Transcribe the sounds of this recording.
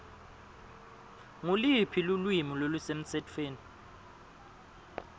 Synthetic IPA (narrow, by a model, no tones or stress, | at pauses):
ŋulipʰilulwimilolusem̩sɛtʰweːni